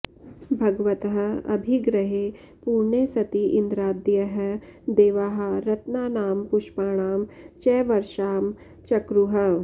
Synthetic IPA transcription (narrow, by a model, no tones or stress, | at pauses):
bʱɐɡʋɐt̪ɦɐ̆ɐ̰bʱiɡɾɐɦe | puːɾɳeːsɐt̪iʔɪnd̪ɾaːd̪jɐɦɐd̪eːʋaːɦɐ̆ɾɐt̪naːnaːmpʊʃpaːɽ̃aːmt͡ʃɛːʋɐɾʃaːm | t͡ʃɐkɾuɦɐ